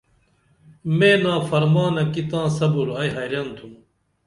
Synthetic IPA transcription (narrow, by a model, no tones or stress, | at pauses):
meːnaːfɐɾmaːnɐkit̪ãːsɐbuɾɐjɦɐjɾjɐnt̪ʰum